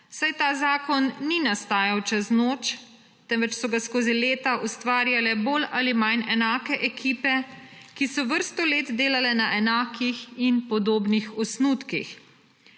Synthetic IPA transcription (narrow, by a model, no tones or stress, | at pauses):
sajt̪aːzaːkɔnːinast̪aːjawt͡ʃɛznoːt͡ʃ | t̪ɛnʋɛt͡ʃsɔɡaskoːzileːt̪aʔust̪ʋaːɾjalɛboːlalimajnɛnaːkɛʔɛkʰiːpɛ | kisɔʋəɾst̪ɔleːt̪d̪eːlalɛnaʔɛnaːkʰixinpɔd̪oːbnixɔsnuːt̪kḭx